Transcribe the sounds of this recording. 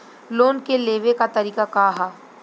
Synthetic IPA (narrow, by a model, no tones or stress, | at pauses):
loːnkeleːʋekat̪ɐɾiːkakaːɦaː